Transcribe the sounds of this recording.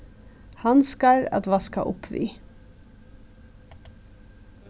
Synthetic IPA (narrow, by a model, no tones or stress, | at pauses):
hɑnskɑɹɑ̰t̪ʋɑːskɑ̰ʔʊpʰʋḭː